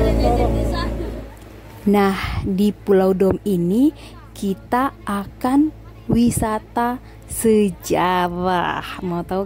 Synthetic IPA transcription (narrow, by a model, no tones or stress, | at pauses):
nahdipulaudɔmini | kit̪aʔːkan | wisat̪a | səd͡ʒaɾahmat̪au